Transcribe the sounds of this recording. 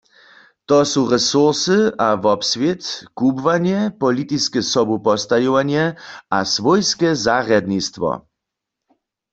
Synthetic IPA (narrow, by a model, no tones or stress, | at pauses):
t̪ɔsuʁɛsuʁsɨavɔpsvjet̪kubvaɲjɛpɔlit̪iskɛsɔbupɔst̪ajɔwanjɛasvɔjskɛzaʁjad̪nist̪vɔ̰